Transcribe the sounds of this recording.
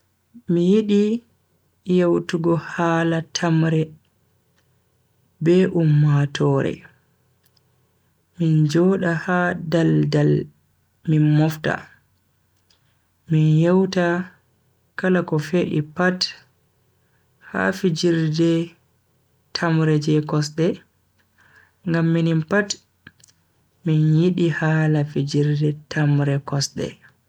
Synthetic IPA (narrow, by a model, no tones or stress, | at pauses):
mijiɗi | jawtuɡɔhaːlatʰamɾɛ | bɛʔumːatʰɔːɾɛ̰ | mind͡ʒɔːɗahadaldal | minmɔfta̰ | minjɛwta | kalakɔfeːɗḭpat | ha̰fid͡ʒiɾdɛ | tʰamɾɛd͡ʒɛkɔsɗɛ | ŋɡamːinimpat | minjiɗihalafid͡ʒiɾdɛtʰamɾɛkɔsɗɛ̰